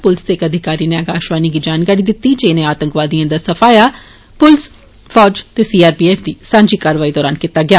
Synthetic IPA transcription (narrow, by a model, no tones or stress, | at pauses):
pʊlsd̪eːkəd̪ʱɪkaːɾiːneəɡaːʃʋaːniːɡiːd͡ʒaːnkaːɾiːd̪ɪt̪ːiːd͡ʒeːneːaːt̪əŋkʋaːd̪ijãːd̪aːsəpʰaːjaː | pʊls | fʰɔːd͡ʒt̪eːsiːaːɾpiːeːfʰd̪iːsãːɲd͡ʒiːkaːɾʋaːiːd̪ɔːɾaːnkit̪aːɡɪaː